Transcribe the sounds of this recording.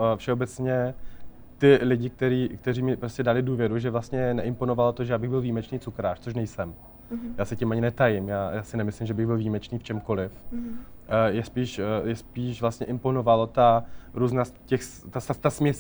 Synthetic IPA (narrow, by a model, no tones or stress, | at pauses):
fʃɛobɛt͡sɲɛ | t̪ɪlɪɟɪk̚t̪ɛɾiːkt̪ɛɾiːmɪpɾoscɛdalɪduːvjɛɾuʒɛvlast̪ɲɛnɛʔɪmpo̞novalot̪oʒɛjaːbɪɣbɪlviːmɛt͡ʃniːt͡sukɾaːʃt͡soʃ̬nɛjsɛm | jaːsɛcɛmaɲɪnɛt̪ajɪmjaːjaːsɪnɛmɪslɪmʒɛbɪɣbɪlviːmɛt͡ʃniːft͡ʃɛmko̞lɪf | jɛspiːʃjɛspiːʃvlast̪ɲɛʔɪmpo̞novalot̪aɾuːznaːscɛxst̪ast̪asmɲɛs